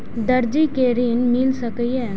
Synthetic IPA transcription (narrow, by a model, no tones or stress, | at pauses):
d̪ɐɾd͡ʒikeɾinmɪlsɐkəiɛː